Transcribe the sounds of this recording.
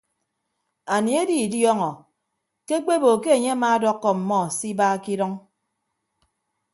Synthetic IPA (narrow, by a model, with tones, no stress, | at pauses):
a˨ni˨e˦di˨djɔ˦ŋɔ˨ | ke˦k͡pe˦bo˨ke˦e˨ɲe˦a˦maː˦dɔ˦kːɔ˨m̩˨mɔ˦˨si˦baː˦ki˦dɔ˦ŋ